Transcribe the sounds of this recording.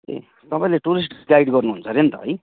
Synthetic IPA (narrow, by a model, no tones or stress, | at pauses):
ḛ | t̪ʌpaĩleʈuɾis̬ʈɡaiɽɡʌrnuɦunt͡sʰʌɾent̪ʌ̰ɦʌj